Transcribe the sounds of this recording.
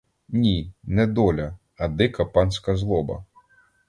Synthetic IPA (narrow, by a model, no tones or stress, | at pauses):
nʲinɛd̪ɔlʲɐ | ɐd̪ɪkɐpɑnsʲkɐzlˠɔbɐ̰